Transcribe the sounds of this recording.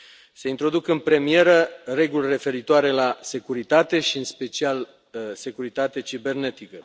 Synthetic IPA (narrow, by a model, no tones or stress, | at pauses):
se̞int̪ɾo̞d̪ukɨnpɾe̞mie̞ɾəre̞ɡulʲre̞fe̞ɾit̪oaɾe̞lase̞kuɾit̪at̪e̞ʃiɨnspe̞t͡ʃial | se̞kuɾit̪at̪e̞t͡ʃibe̞rne̞t̪ikə